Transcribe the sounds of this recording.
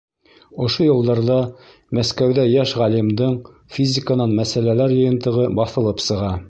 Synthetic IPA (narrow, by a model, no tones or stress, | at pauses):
ŏʃojɤ̆lˠd̪ɑɾðɑ | mæskæwðæjæʃʁælimd̪ɤɴ | fʲizʲɪkanɑnmæsælælæɾjɤ̆jɤ̆nt̪ɤ̆ʁɤbɑθɤ̆lˠɤpsɤ̆ʁɑ